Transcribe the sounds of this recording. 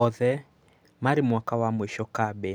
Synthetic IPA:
ɔðɛ | maɾɪmwakawamweʃɔkabɛ

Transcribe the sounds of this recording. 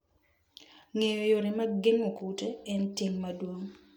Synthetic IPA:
ŋejojoɾɪmaɡɪŋokuteɛntiŋmadwoŋ

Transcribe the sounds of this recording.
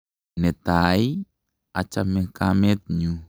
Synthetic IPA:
net̪aj | at͡ʃamekamet̪̚ɲu

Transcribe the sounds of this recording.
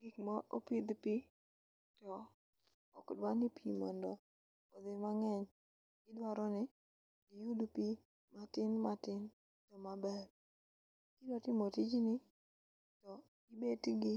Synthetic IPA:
ɡikmaʔopɪd̪pi | tɔ | okdwanɪpʰimɔ̰ndɔ | od̪imaŋɛɲ | ɡ̥ɪdwaɾɔnɪ | ɡijudupi | matɪnmatɪn | tɔmabɛr | kinotɪmotid͡ʒnɪ | tɔ | ɡibetɡɪ

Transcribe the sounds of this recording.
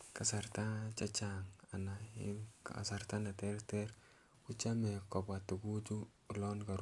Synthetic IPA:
kasart̪at͡ʃat͡ʃaŋanaḭnkaa̰sart̪anat̪ɛrt̪ɛɾ | kut͡ʃamɛkɔbat̪ːuɡud͡ʒu | lɔnɡaɾ

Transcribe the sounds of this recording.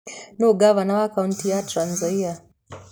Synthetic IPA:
noɡavanawakauntijatɾanzaia

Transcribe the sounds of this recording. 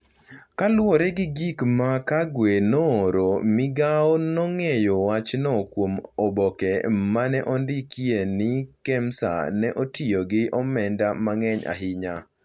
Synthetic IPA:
kalwɔɾɛɡɪɡikmakaɡwenɔːɾomɪɡaɔnɔŋejowat͡ʃnɔkwomɔbɔkɛmanɛʔɔndɪkjenɪkɛmsa̰nɛʔotʰioɡɪʔɔmɛndamaŋɛɲa̰ɦɪɲa

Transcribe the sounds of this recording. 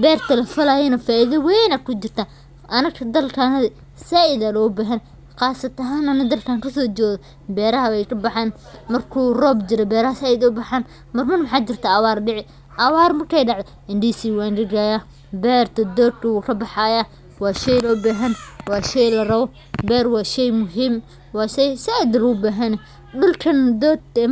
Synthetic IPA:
bɛːrt̪ʰɐlɐfɐlaːjɐnɐfaːʔiðɐwɛjnaːd̪̚kʰʊt͡ʃɪrt̪ʰaː | ʔɐnɐkkʰɐd̪ɐlkʰanɐðɪ | saɪðɐlɔːbaːɦɐn | qɑːsɐt̪ʰɐɦaːnɐnɐd̪ɐlkʰaːŋkʰʊsɔːt͡ʃɔːðɔ | bɛːɾɐɦɐwɛjkʰɐbɑħaːn | mɐrkʰuːrɔːbd͡ʒɪɾɔbɛːɾɐhɐsaːɪd̪ʊbɑħaːn | mɐrmɐrmɑħaːt͡ʃɪrt̪ʰaʔɐwaːrɖɪʕɪ | ʔɐwaːrmɐrkʰɛjɖɑʕd̪ɔ | ɪnɖiːsiːwaːnɖɪɡajaː | bɛːrt̪ʰɐd̪ɔːd̪̚kʰɐwuːkʰɐbɑħaːjaː | wɑːʃɛjlɔːbaːɦɐnwɑːʃɛjlɐrɐβɔ | bɛːɾwɑːʃɛjmʊɦiːm | wɑːʃɛjsɐd̪ɐlɔʊbaːɦɐnɛ | ɖʊlkʰɐnd̪ɔːd̪

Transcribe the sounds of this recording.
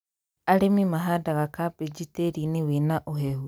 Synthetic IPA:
aɾemimaɦadaɣakabed͡ʒiteɾinewenaʔoɦɛhu

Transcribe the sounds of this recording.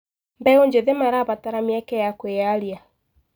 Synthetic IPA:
mbɛoɲd͡ʒeðemaɾaβataɾamjɛkɛjakweaɾja

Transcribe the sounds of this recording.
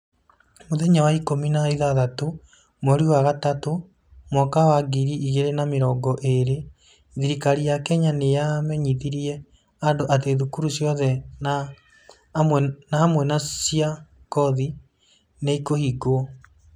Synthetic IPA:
moðɛɲawaikominaeðaðato | mɔɾiwaɣatato | mwɔkawaɡiɾiʔiɣeɾenameɾɔːɡɔʔeɾe | ðiɾikaɾiakɛɲanejamɛɲiðiɾiɛ | andoʔat̬eðukuɾusjɔðɛna | nahamwɛnasia | kɔði | neikohiɡo

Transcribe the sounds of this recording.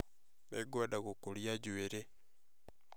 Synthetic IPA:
neɡodakokoljaɟweɾe

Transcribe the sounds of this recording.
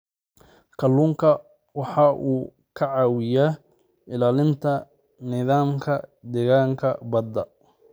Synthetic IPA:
kʰɐlːuːŋkʰɐ | wɑħɑʔuː | kʰɐʕɑːwɪja | ɪlaːlɪnt̪ʰɐ | nɪðaːmkʰɐd̪ɛɣaːŋkʰɐ̰bɐd̪ɐ

